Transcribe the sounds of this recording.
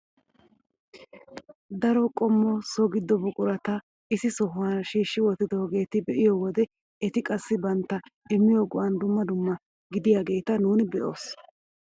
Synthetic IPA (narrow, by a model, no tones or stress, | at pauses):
d̪ɐɾɔkʼɔmːɔsɔɡɪd̪ːɔbʊkʼʊɾɐt̪ɐ | ɪsɪsɔɦʊɐnʃiːʃːɪwɔt̪ːɪd̪ɔhɡe̞ːt̪ɪbɛʔɪjɔwɔd̪ɛ | ɛt̪ɪkʼɐsːɪbɐnt̪ːɐɛmːɪjoːɡɔʔɐnd̪ʊmːɐd̪ʊmːɐ | ɡɪd̪ɪjaːɡe̞ːt̪ɐnuːnɪbɛʔo̞ːs